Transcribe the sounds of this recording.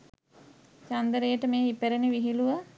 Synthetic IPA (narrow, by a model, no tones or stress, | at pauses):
t͡ʃand̪əɾəjəʈəmeːipeɾeniʋiɦiluʋə